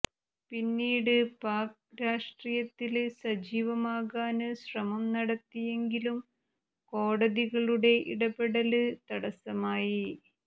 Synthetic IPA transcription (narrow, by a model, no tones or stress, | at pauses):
pinːiːɽɨpaːk̚ | ɾaːʂʈrijɐt̪ːilsɐd͡ʑiːʋɐmaːɣaːnɨɕrɐmɐmnɐɽɐt̪ːije̞ŋɡilum | ko̞ːɽɐðiɣɐɭuɽe̞ʔḭɽɐbeɽɐlɨt̪ɐɽɐsɐmaːji